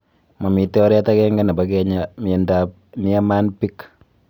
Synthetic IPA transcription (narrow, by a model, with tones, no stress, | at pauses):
ma˨mi˨tɛ˦ɔ˦ɾɛ˦ta˦kɛ˦ŋɡa˦na˨ba˦kɛ˦ɲami˨ɛndap̚ni˦a˦ma˦npi˦k